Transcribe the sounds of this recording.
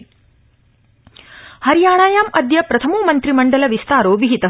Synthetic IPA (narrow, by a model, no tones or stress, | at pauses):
hɐɾijaːɳaːjaːmɐd̪jɐpɾɐt̪ʰɐmoːmɐnt̪ɾimɐɳɖɐlɐʋist̪aːɾoːʋiɦit̪ɐ